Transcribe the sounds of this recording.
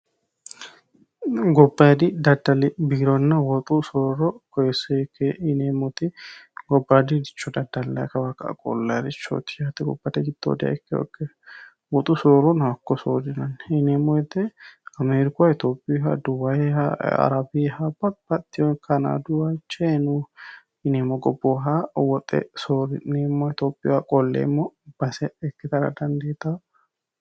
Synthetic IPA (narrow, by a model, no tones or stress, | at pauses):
ɡɔbːɐjd̪ɪd̪ɐd̪ɐlɪbiːɾɔnːɐwɔt̪ʼusoɾɔkɔjɛsɛkːeɪneːmɔt̪ɪɡɔbːad̪ɪd̪ɪt͡ʃːɔd̪ɐd̪ɐlːɐ̰jkɐbakɐ̰kʼɔ̰lːɐɾɪt͡ʃːo̰t̪ɪjat̪ːɛɡɔbːɐt̪ɛɡɪt̪ːo̰ːd̪ɪɐ̰ɪkːɛwɔ̰kːɛ | wɔt̪ʼusooɾɔnakːɔsoːd̪ɪnɐnːɪnemɔɛt̪ːeɐmeːɾɪkʊaɪt̪oːpʼːɪɦa̰d̪ʊwɐjaɐ̰ɾɐbɪhabɐtb̥ɐt̪ːɪjɔkɐna̰d̪ʊwaɪt͡ʃːenu | ɪnemːɔɡɔbːoɦawɔt̪ʼɛ̰soːɾɪnemːɔɪt̪oːpʼːɪjwakʼɔlːḛːmːɔb̥ɐsɛɛkːɪt̪ɐɾɐ̰d̪ɐnd̪eːt̪ːa